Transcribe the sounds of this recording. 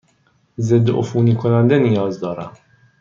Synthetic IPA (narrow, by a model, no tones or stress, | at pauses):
zɪd̪ːʔo̰fuːnikʰonand̪ɛnijɒːzd̪ɒːɾa̰